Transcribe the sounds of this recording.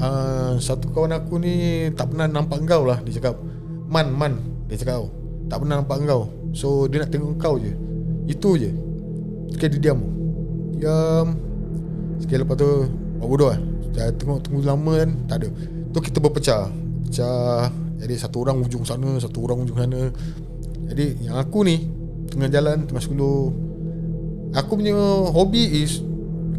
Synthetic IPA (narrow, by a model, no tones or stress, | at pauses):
əsat̪ukawanakunit̪aʔpənahnampaʔəŋkawlahdit͡ʃakap̚ | manman | dit͡ʃakau | t̪aʔpənahnampaʔəŋkaw | sodiənaʔt̪əŋɔʔəŋkawd͡ʒəit̪ud͡ʒə | sə̥kaididiam | diam | sə̥kajləpat̪u | babodɔat͡ʃaɾat̪əŋɔʔt̪əŋulaməant̪aʔdə | t̪uhkit̪əbəpət͡ʃa | bəpət͡ʃa | d͡ʒadisat̪uoɾaŋud͡ʒʊŋsanəs̬at̪uoɾaŋud͡ʒʊŋsanə | d͡ʒadijaŋakuni | t̪əŋad͡ʒalant̪əŋɔʔskulo | akupuɲəɦobiis